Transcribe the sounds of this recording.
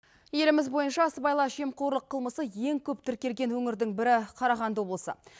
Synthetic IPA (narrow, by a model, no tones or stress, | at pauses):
je̞lɪmɪzbo̞jənʃɑsəbɑjlˠɑʒe̞mqoɾlˠəqʰːəlˠməsəje̞ŋkʲʰɵp̚t̪ʰɪɾkʲe̞lɡʲe̞nwɵŋɪɾd̪ɪŋbɪɾɪqʰɑɾɑʁɑnd̪əwo̞blˠəsə̰